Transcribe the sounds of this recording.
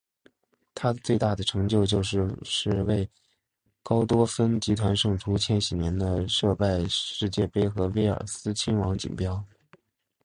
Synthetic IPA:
t̪ʰa˥t͡swe˥˧ɪt̪a˥˩d̪ə˩ʈ͡ʂʰɤ˧˥ŋt͡ɕjo˥˧ʊt͡ɕjo˥˧ʊʂɻ̩˥˧ʂɻ̩˥˧we˥˩ɪ | kɑ˥ʊt̪wɔ˥fə˥nt͡ɕi˧˥t̪ʰwa˧˥nʂɤ˥˩ŋʈ͡ʂʰu˧˥t͡ɕʰjɛ˥nɕi˨˩njɛ˧˥nd̪ə˧ʂɤ˥˧pa˥˧ɪʂɻ̩˥˧t͡ɕjɛ˥˩pe˥ɪxɤ˧˥we˥ɪə̰˞˨˩sɹ̩˥t͡ɕʰi˥nwɑ˧˥ŋt͡ɕḭ˨˩ŋpjɑ˥ʊ

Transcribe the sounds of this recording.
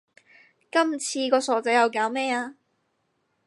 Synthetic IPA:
kɐ˥mt͡sʰiː˧kɔː˧sɔː˨˧˥t͡sɐ˨˥jɐ˨wkaː˨˥wmɛː˥aː˧

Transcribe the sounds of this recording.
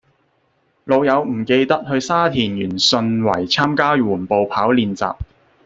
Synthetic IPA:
lo˨˧wjɐ˨˧wm̩˨˩ke˧jt̪ɐ˥t̚hɵ˧ɥsaː˥t̪ʰiː˨˩njyː˨˩nsɵ˧nwɐ˨˩jt͡sʰaː˥mkaː˥wuː˨˩npo˨˧wpʰaː˨˥wliː˨˧nt͡sa̰ː˨p̚

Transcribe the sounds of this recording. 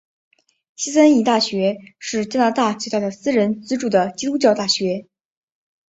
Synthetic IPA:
ɕi˥sə˥ni˧˥˩t̪a˥˩ɕɥɛ˧˥ʂɻ̩˥˩t͡ɕja˥na˧˥t̪a˥˩t͡swe˥˧t̪a˥˩d̪ə˩sɹ̩˥ɻə˧˥nt͡sɹ̩˥ʈ͡ʂu˥˩d̪ə˩t͡ɕi˥t̪u˥t͡ɕjɑ˥˧ʊt̪a˥˩ɕɥɛ˧˥

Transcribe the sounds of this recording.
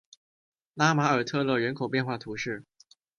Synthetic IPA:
la˥ma˧˥ə˞˨˩t̪ʰɤ˥˧lɤ˥˩ɻə˧˥nkʰo˨˩ʊp̬jɛ˥˧nxwa˥˩t̪ʰu˧˥ʂɻ̩˥˩

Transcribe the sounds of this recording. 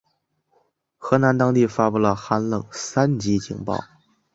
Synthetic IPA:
xɤ˧˥na˧˥nt̪ɑ˥ŋt̪i˥˩fa˥pu˥˩lə˩xa˥nlɤ˥˩ŋsa˥nt͡ɕi˧˥t͡ɕḭ˨˩ŋpɑ̰˥˩ʊ

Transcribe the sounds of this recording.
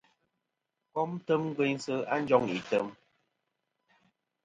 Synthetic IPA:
kɔ˦m˦tə˦mŋ̩˦ɡwɛ˦ɲsə˦a˦n̩˦d͡ʒɔ˦ŋḭ˨tə˦m

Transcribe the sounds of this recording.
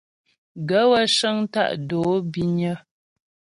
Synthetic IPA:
ɡə˨˦wə˦ʃə˦ŋ˦ta̰˦˨ʔdoː˨˦bi˦ɲə˦

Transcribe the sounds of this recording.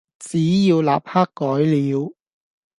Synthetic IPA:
t͡siː˨˥jiː˧wla̰ː˨p̚haː˥kːɔː˨˥jliː˨˥w

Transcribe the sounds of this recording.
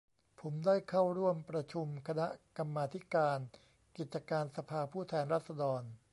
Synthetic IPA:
pʰo˩˦mdaː˥˩jkʰa˥˩wɾu˥˩əmpɾa˧t͡ɕʰu˧mkʰa˧na˦˥ka˧mːaː˧t̪ʰi˦˥kaː˧n | ki˨˩t̪̚t͡ɕa˧kaː˧nsa˧pʰaː˧pʰuː˥˩t̪ʰɛː˧nɾaː˥˩t̪̚sa˧dɔː˧n

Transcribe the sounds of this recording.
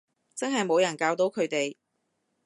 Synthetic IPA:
t͡sɐ˥nɦɐ˨jmo˨˧wjɐ˨˩nkaː˧wt̪o˨˥wkʰɵ˨˧ɥt̪e˨j

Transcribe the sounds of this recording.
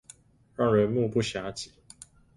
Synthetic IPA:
ɻɑ˥˩ŋɻə˧˦nmu˥˧pu˥˩ɕja˧˥˦t͡ɕi̥˨˩˦

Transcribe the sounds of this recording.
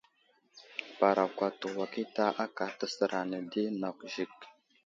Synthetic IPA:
pa˨ɾa˨kʷa˨tə˨wa˨ki˦ta˦ʔa˦ka˨tə˦sə˨ɾa˨nə˨di˦na˨kʷʒi˨k̚

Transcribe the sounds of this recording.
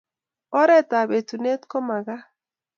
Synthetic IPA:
ɔ˦ɾɛ˦ta˨be˨tu˨ne˦tkɔ˦ma˨ɣa˦

